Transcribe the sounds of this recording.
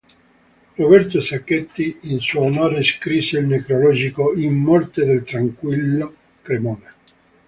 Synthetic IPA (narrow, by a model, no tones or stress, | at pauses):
robɛrt̪osakːet̪ːiːnsumoːɾeskɾiseilnekɾolɔd͡ʒikoimːɔrt̪ed̪elt̪ɾaŋkwilːo | kɾemɔːne